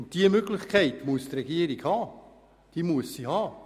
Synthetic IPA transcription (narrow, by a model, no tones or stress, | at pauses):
nt̚d̥iəmøɡlɪχkʰɛɪtmuəstrɛɡ̥iəɾiɡhɑː | d̥iːmuəsːihɑː